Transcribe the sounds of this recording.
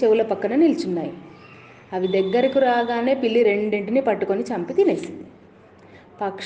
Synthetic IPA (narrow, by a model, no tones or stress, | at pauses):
t͡ʃewulɐpɐkːɐnɐnilt͡ʃunːaːji | ɐʋid̪ɐɡːɐɾikiɾaːɡaːne̞ːpilːiɾe̞ɳɖeɳʈinipɐʈːuko̞nit͡ʃɐmpit̪inesi | pɐkʂ